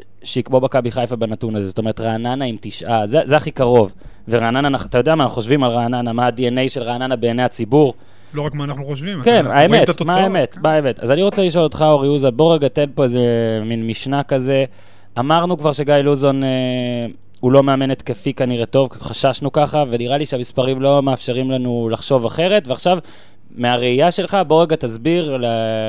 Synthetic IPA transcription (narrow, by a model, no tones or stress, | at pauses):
ʃeikbo̞bakabiχajfabanatunazezotome̞ʁetʁaːnanaimt̪iʃʔazezeaχikaʁo̞v | veʁaːnananaχat̪ajo̞deamaːnaχuχoʃvimalʁaːnanamaːdiene̞jʃelʁaːnanabeːnejat͡sibuʁ | loʁakmaːnaχnuχoʃvimkenaemet̪maaaemet̪maemet̪a̰zaniʁo̞t͡seliʃo̞lo̞t̪χaoʁiuzalbo̞ʁeɡat̪elpo̞ezeminmiʃnakaze̞ | amaʁnukvaʁʃe̞ɡajluzo̞ne | ulo̞me̞ame̞net̪kefikaniʁet̪o̞vχaʃaʃnukaχave̞niʁaliʃeamispaʁimlo̞meafʃe̞ʁimlanulaχʃo̞vaχe̞ʁe̞t̪veaχʃav | meaʁeijaʃe̞lχaboʁeɡat̪azbiʁla